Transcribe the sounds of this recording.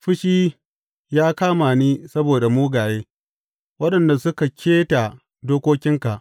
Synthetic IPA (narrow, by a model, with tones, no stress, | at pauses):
ɸɪ˦ʃiː˦ | jaː˦kaː˦maː˨niː˦sɐ˦boː˨da˨muː˦ɡaː˨jeː˦ | wɐ˦ɗɐ˨nda˨sʊ˦ka˨kʲʰeː˦ta˨ | doː˦kʷoː˦kʲɪ˦ŋka˨ʔ